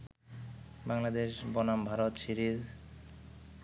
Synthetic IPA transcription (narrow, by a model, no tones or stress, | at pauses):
baŋlad̪eʃbɔnambʱaɾot̪ʃiɾiz